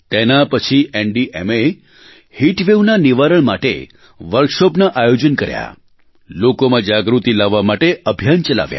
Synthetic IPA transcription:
t̪enapət͡ʃʰieɳɖiʔeme | hiʈʋeʋnaniʋaɾəɭmaʈḛ | ʋəɾkʃɔpnaʔajod͡ʒənkəɾja̰ | lokomãd͡ʒaɡɾut̪ilaʋːamaʈeəbʱjant͡ʃəla̰ʋja̰

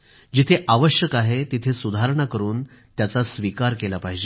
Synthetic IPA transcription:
d͡ʑit̪ʰeʔaʋəɕjəkaɦet̪it̪ʰesud̪ʱaɾɳ̃akəɾuːn | t̪jat͡sasʋikaɾkelapaɦid͡ʑe

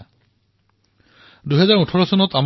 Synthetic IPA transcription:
duɦɛzaɹutʰɔɹɔsɔnɔtam

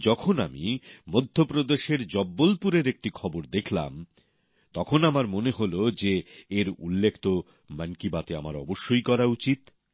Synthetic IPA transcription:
d͡ʑɔkʰonamḭmod̪ʱːopɾod̪eʃeɾd͡ʑɔbːolpuɾeɾek̚ʈikʰɔboɾd̪ekʰla̰m | t̪ɔkʰonamaɾmoneɦolod͡ʑeːɾṵlːekʰt̪o | mankibat̪eama̰ɾɔ̰boʃːojkɔɾaut͡ɕit̪

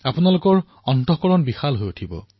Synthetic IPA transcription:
apunalʊkɔɹ | ɔntɔkɔɹɔnbixalɦojutʰibɔ̰

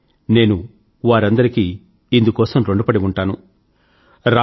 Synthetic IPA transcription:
ne̞ːnu | ʋaːɾɐnd̪ɐɾikiː | ind̪ukɔːsɐmɾoɳɖupɐɽiuɳʈaːnu | ɾa

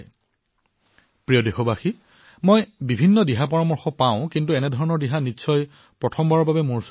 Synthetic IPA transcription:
pɹijɔdexɔbaxi | mojbibʱinːɔdiɦapɔɹɔmɔɹxɔpaʊ̃kintuɛnɛdʱɔɹɔnɔɹdiɦanitːʃʰɔj | pɹɔtʰɔmbaɹɔbabɛmuɹs

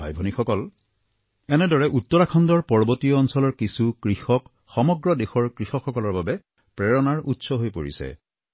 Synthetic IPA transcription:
bʱa̰jbʱonixɔkɔl | ɛnɛdɔɹɛʔutːɔɹakʰɔndɔɹpɔɹɔbotiɔːnsɔlɔɹkisukɹixɔk | xɔmɔɡɹɔdexɔɹkɹixɔkxɔkɔlɔɹbabɛ | pɹɛɹɔnaɹutsɔɦojpo̰ɹḭsɛ̰

